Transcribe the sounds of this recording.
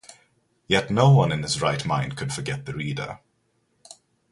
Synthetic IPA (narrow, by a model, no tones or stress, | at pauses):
jɛtnoʊwʌ̃nɪ̃nɪzɹaɪtmãɪ̃nd̥̚kʰəd̥fəɡɛt̪̚ðəɹiːdə̰